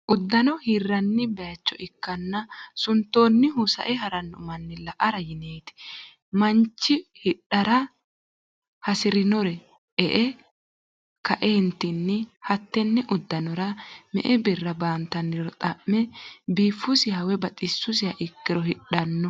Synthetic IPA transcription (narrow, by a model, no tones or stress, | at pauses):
ʔʊd̪ːɐnɔhɪrːɐnːɪbɛjɐt͡ʃːɔʔɪkːɐnːɐsʊnt̪ːo̞ːnːɪɦʊsɐ̰ʔɛɦɐɾɐnːɔmɐnːɪlɐʔɐɾɐjɪneːt̪ɪ̥ | mɐnt͡ʃːɪhɪɗːɐɾɐ | hɐsɪɾɪnɔɾɛ | ʔɛʔɛ | kɐʔeːnt̪ːɪnːɪhɐt̪ːɛnːɛʔʊd̪ːɐnɔɾɐmɛ̰ʔɛbɪrːɐbaːnt̪ɐnːɪɾɔt̪ʼɐmːɛbiːfːʊsɪhɐwɛbɐt̪ʼɪsːʊs̬ɪɐʔɪkːɪɾɔhɪᶑɐnːɔ